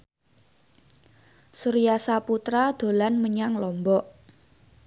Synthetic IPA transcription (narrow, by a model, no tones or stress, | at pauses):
suɾijasaput̪ɾad̪̥o̤lanməɲaŋlɔmbɔʔ